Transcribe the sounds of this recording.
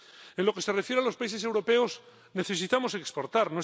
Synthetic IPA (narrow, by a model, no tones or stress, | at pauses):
enlo̞ke̞se̞refjeɾalo̞spaise̞s̬ewɾo̞pe̞o̞s | neθe̞sit̪amo̞se̞kspo̞ɾt̪aɾnoe